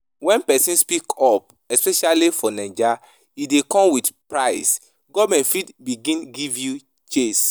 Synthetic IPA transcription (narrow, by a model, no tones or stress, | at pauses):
wɛ̃npɛsĩnspikʰɔp̚ | ɛspɛʃalifɔnɛ̃d͡ʒa | idekɔ̃mwidpɹaɪs | ɡɔvmɛ̃ntfidbiɡĩnɡivju | t͡ʃes